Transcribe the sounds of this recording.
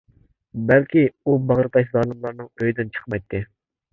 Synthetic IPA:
bælkʲiubɑʁɾɨt̪ʰɑʃzɑːlˠɨmlˠɑɾnɨŋøjd̪ɨnt͡ʃʰə̥χmɑjt̪ʰːɪ

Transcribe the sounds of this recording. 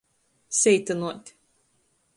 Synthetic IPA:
sʲɛjt̪ɐnuɔt̪ʲ

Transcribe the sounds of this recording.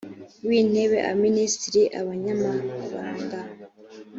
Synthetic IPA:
wiːn̥e̞βe̞ʔa̰ministɾiʔaβaɲamaβaːŋɡa

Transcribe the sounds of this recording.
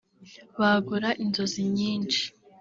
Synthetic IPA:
βaɡuɾaʔinzo̞ziɲiːnʃi̥

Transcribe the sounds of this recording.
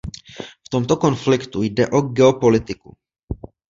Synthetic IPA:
ft̪o̞mt̪o̞ko̞nflɪkt̪ujdɛʔo̞ɡɛopo̞lɪt̪ɪku

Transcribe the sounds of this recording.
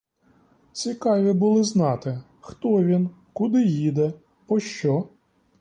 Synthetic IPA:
t͡sʲikɑʋʲibʊlˠɪznɑt̪ɪ | xt̪ɔʋʲin | kʊd̪ɪjid̪ɛ | pɔʃt͡ʃɔ

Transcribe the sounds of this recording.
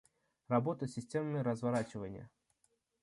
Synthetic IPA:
rɐbo̞t̪əsʲɪsʲtʲe̞mnɨjəɾəzvɐɾat͡ɕɪvənʲɪ̰jə̰

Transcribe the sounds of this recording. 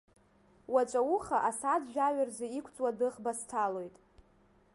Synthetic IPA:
wat͡ʃʷʼauχaʔasad͡zʒᶣaɥarzaikʷʰt͡sʼwadɨχbastʰalo̞jtʼ

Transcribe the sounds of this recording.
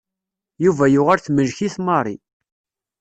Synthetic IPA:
juvæjʊʁaɾθməʒçiθmɑrˤi

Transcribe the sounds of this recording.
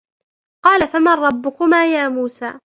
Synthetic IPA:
qɑːlafamanɾˤɑbːʊkʊmaːjaːmuːsaː

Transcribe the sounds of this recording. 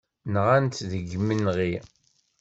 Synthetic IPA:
nʁant̪ðəɡːəmənʁi

